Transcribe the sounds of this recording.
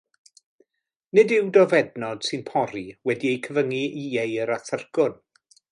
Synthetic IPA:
nɪdɪwdɔvɛdnɔd̥sɨnpʰɔɾiwɛdiejkʰəvəŋiiejəɾaθərɡʊn

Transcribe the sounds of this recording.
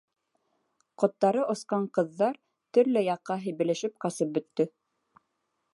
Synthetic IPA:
qŏt̪ːɑɾɤʔŏsqɑɴqɤ̆ðːɑɾ | t̪ɵ̆ɾlɘjɑqːɑɦɘ̆jβɘ̆lɘ̆ʃɘp̚qɑsɤp̚bɵ̆t̪ːɵ

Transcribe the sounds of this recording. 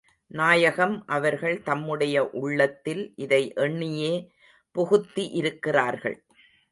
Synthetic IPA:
naːjɐɣɐmʔɐʋɐɾɣɐɭt̪ɐmːɯɽɐjɐʔʊɭːɐt̪ːɪlʔɪðɐɪʔɛɳːɪjeː | pɔɣɯt̪ːiʔɪɾɯkːɪraːɾɣɐ̰ɭ

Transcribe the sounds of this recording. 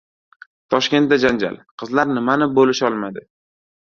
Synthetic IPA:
t̪ʰɒʃkʲe̞nt̪̚d̪ad͡ʒand͡ʒa̰lˠqʰɨzlaɾnɪmanɪbolɪʃɒlˠmad̪ɪ

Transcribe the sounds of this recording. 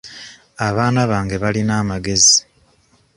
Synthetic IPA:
aβaːnaβaːŋɡe̞βalinaːmaɡe̞zi

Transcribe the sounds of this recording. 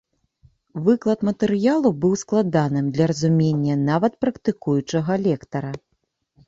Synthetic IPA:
vɨklˠɐt̪mɐt̪ɛɾɨjalˠubɨwsklˠad̪anɨmd̪lʲɐɾɐzumʲenʲːɐnavɐt̪̚pɾɐkt̪ɨkujut͡ʂɐɣɐlʲɛkt̪ɐɾɐ

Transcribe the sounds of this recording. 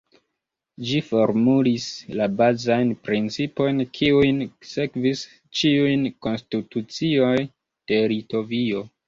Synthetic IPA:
d͡ʒifo̞ɾmulislabazajnpɾint͡sipo̞jnkʰiujnse̞kvis | t͡ʃiujnko̞nstitut͡sio̞j | d̥e̞lito̞vio̞

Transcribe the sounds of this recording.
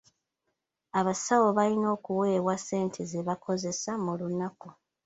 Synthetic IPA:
aβasawo̞βalino̞ːkuwe̞ːβwase̞ːntʰezeβakʰo̞ze̞samulunaku

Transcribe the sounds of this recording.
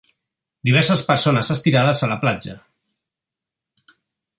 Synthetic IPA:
d̪iβ̞ɛɾsəspəɾsonəzəst̪iɾað̞əzələplad͡ʒə

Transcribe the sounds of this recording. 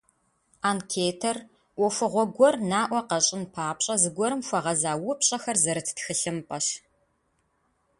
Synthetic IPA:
aːnkʰeːtʰɐr | ʔʷɔfɨʁʷɔɡʷɔrnaːʔʷɔqɐɕʼɪnpʰaːpɕʼɐzɨɡʷɔɾɨmfʷɐʁɐzaːwʊpʰɕʼɐxɐrzɐɾɨtʰɨ̥txɨɬɨmpʼɐʃ

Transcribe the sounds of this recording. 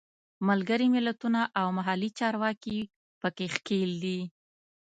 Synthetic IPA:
malɡəɾimɪlat̪unaʔawmaɦalit͡ʃɑɾwɑki | pəkexkeld̪i

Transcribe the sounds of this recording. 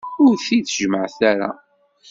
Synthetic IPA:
ʊɾθiθʒməʕθæɾa̰

